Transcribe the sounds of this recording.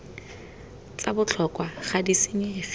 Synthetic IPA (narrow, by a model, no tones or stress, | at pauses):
t͡sabʊt͡ɬʰɔkʼwaχadiseŋ̩ɪf